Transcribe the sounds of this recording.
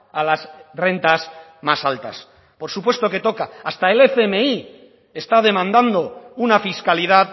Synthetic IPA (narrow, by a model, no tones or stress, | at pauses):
alasre̞nt̪asmasalt̪a̰s | po̞ɾsupwe̞st̪o̞ke̞t̪o̞kaːst̪ae̞lefeme̞i | e̞st̪að̞e̞mãnd̪and̪o̞unafiskaliðað